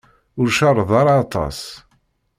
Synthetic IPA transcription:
ʊɾʃɑrˤːəðˤɑɾɑːt̪ˤɑ̰s

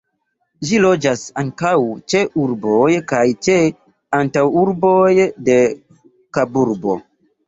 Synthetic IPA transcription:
ʒilo̞d͡ʒasaŋkawt͡ʃeʔuɾbojkajt͡ʃe | antawuɾbojde̞ | kabuɾbo̞̰

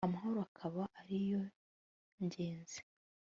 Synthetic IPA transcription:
amaɦo̞ɾoakʰaβaʔaɾijo̞ | ɲɟeːnzi̥

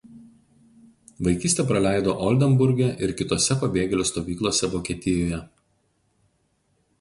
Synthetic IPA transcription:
ʋɐɪkʲiːsʲt̪ʲeːpɾɐlʲæˑɪd̪oːʔɔlʲd̪ʲɛmbʊɾʲɡʲɛʔɪɾkʲɪt̪oːsʲɛpɐbʲeːɡʲɛlʲʊst̪oːʋʲiːklˠoːsʲɛʋoːkʲeːt̪ʲɪjoːjɛ

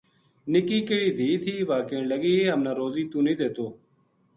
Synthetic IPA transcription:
nɪkiːkeɽiːd̪ʱiːt̪ʰiːʋaːkẽːɳləɡiːeːɦəmnãːɾoːziːt̪ũːnĩːd̪eːt̪oː

